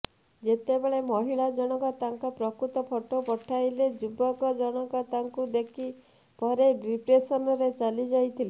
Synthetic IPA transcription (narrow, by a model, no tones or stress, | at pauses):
d͡ʒet̪ebeɭemɔɦiɭad͡ʒɔɽ̃ɔkɔt̪aŋkɔpɾɔkɾut̪ɔpʰɔʈopɔʈʰajled͡ʒubɔkɔd͡ʒɔɽ̃ɔkɔt̪aŋkud̪ekʰi | pɔɾeɾipɾesɔnɔɾet͡ʃalid͡ʒajt̪ʰile